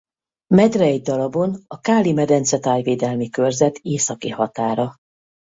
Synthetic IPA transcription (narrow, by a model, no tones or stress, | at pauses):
mɛd̪rɛɛjd̪ɒlɒbonɒkaːlimɛd̪ɛnt̪sɛt̪aːjveːd̪ɛlmikørzɛt̪eːsɒkihɒt̪aːɾɒ